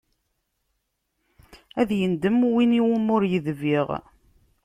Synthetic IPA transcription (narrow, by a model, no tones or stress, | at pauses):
æðjənd̪əmwiniwəmʊɾjəðviʁ